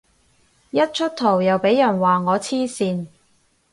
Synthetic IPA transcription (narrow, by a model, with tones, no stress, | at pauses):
jɐ˥t̚t͡ʃʰɵ˥t̚t̪ʰo˨˩wjɐ˨wpe˨˥jɐ˨˩nwaː˨ŋɔː˨˧t͡sʰiː˥siː˧n